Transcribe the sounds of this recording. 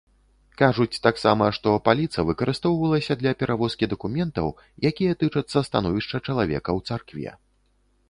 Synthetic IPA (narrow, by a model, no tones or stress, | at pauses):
kaʐut͡sʲt̪aksamɐʂt̪ɔpalʲit̪sɐvɨkɐɾɨst̪ɔwvɐlˠɐsʲɐd̪lʲɐpʲɛɾʔavɔskʲid̪ɐkumʲɛnt̪ɐ̰w | jakʲijɐt̪ɨt͡ʂɐt̪sːɐst̪anɔvʲiʂt͡ʂɐt͡ʂɐlˠavʲɛ̰kɐwt̪sarkvʲɛ̰